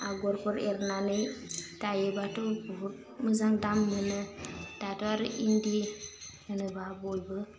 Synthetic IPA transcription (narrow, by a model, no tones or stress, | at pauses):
aɡoɾkuɾeɾnanətajebatobuɦuɾ | məzaŋdamːənətatoaɾʔindi | ənəbabojbə